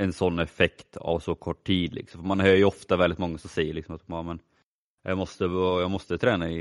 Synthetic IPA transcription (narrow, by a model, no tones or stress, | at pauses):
ɛnsɔnːɛfɛkt̪ʰa̰vsɔkʰɔʈʰːiːd̪lɪ̰ksɔmfɔmanhœːjɵɔft̪avɛld̪ɪt̪mɔŋːasɔmsɛjːəɭɪksɔmat̪maːmɛn | jɑmɔst̪əjɑːmɔst̪ət̪ʰɾɛːnaɪ